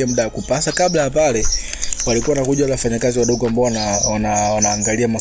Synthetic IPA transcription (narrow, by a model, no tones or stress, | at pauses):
amuɗawakupasakablajapalɛ | walikuwawanakuʄawalawafaɲakaziwaɗɔɡuambaɔnawanawanaːŋɡaliama